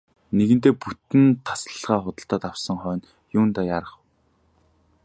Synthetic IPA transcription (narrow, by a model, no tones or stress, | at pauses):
neɣɘ̆n̥t̪eːput̪ɘ̆nt̪ʰːḁsə̆ɮʁaːχʊt̪ə̆ɬt̪ɔːt̪awsə̆ŋχœːn | jʊːnt̪ajaɾə̆χ